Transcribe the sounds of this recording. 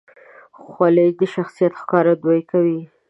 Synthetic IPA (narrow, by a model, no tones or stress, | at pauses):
xwaled̪əʃaxsijat̪xkɑɾad̪wajkawi